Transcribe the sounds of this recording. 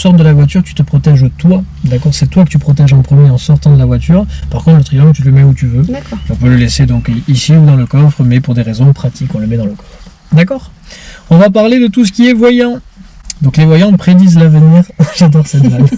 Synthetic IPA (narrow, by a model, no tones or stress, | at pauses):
sɔʁt̪̚d̪əlavwat̪yʁt̪y̥t̪əpχɔt̪ɛʒot̪wa | d̪akɔʁsɛt̪wakə̥t̪ypχɔt̪̬ɛʒɑ̃pχəmjeɑ̃sɔʁt̪ɑ̃d̪əlavwat̪yʁpaʁkɔ̃t̪χlət̪χilɑ̃ŋɡ̚t̪yləmɛut̪yvøakɔ̃pøləlesed̪ɔ̃kisiud̪ɑ̃ləkɔfχəmɛpuʁd̪eʁezɔ̃pχat̪ikɔ̃ləmɛd̪ɑ̃ləkɔ̥fχ | d̪akɔːʁ | ɔ̃vap̬aʁled̪ət̪us̬ə̥kʲiɛvwajɑ̃d̪ɔ̃klevwajɑ̃pχed̪izlavəniːʁʒad̪ɔʁsɛt̪d̪am